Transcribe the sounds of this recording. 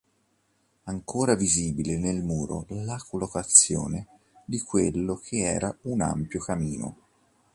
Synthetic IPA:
aŋkoːɾaviziːbilenelmuːɾo̰lakolːokat̪sːjoːne | d̪ikwelːokʰeɛ̰ːɾauna̰mpjokamiːno̰

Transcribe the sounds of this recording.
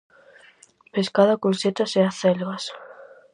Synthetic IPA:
peskaðakolset̪aseaθelɣas

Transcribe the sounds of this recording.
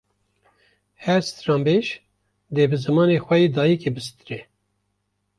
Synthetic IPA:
hɛɾst̪ɾɑːmbeʃ | d̪eːbɨzɨmɑːneːxʷɛjiːd̪ɑːjikebɨsɨ̥t̪ɨɾɛ

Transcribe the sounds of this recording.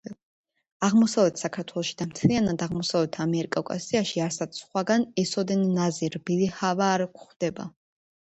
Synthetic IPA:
aʁmɔsavlɛt̪ʰsakʰaɾt̪ʰwɛlˠɔʃid̪amt̪ʰlianad̪aʁmɔsavlɛt̪ʰamɛɾikʼakʼa̰siaʃiaɾsat̪sχwaɡanɛsɔd̪ɛnnaziɾbilihavaːɾkʰχd̪̥ɛba̰

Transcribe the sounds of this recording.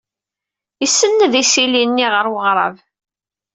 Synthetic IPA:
əsːənːəðisilinːiʁəɾwəʁɾˤɑ̰v

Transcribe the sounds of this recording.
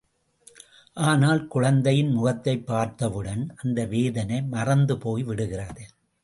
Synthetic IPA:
ʔaːnaːlkʊɻɐnd̪ɐjɪnmʊɣɐt̪ːɐɪpːaːɾt̪ɐʋɯɽɐnʔɐnd̪ɐʋeːðɐnɐɪmɐrɐnd̪ɯpoːjʋɪɽɯɣɪrɐðɯ

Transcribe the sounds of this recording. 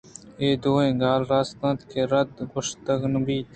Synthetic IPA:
eːd̪oːẽːɡaːlɾaːst̪ɐ̃ːt̪kʰeɾɐd̪ɡʊʂt̪ɐɡnbiːt̪

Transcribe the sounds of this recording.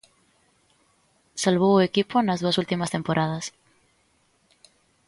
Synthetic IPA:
salβ̞oekiponazðuasult̪imast̪empoɾʔað̞as

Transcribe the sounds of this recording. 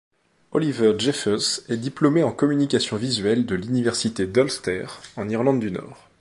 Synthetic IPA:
ɔlivœʁʒɛfɛsɛd̪iplɔmeɑ̃kɔmynikʲasjɔ̃vizɥɛld̪əlynivɛʁsit̪ed̪ɔlst̪ɛʁɑ̃niʁlɑ̃d̪ːynɔ̰ːʁ

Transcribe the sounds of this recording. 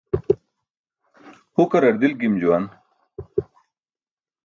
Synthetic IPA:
hukɐɾɐɾd̪ilɡimd͡ʑuwɐn

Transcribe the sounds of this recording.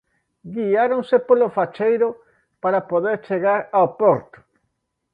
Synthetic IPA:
ɡiaɾõŋsepolofat͡ʃejɾʊ | paɾapoðeɾt͡ʃeɣaɾaopoɾt̪ʊ̥

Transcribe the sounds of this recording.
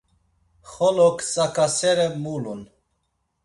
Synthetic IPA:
χɔlɔkʰt͡sʼakʰasɛɾɛmulun

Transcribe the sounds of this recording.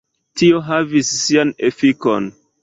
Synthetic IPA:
tio̞ɦavisːianefikon

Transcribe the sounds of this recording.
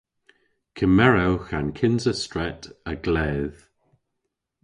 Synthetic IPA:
kʰəmɛɹawxankʰɪnzəstɹɛtəɡlɛːð̥

